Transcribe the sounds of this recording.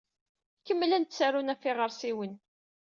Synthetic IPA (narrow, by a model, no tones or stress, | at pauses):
kəmːlænt̪sæɾunæfɪʁəɾsiwən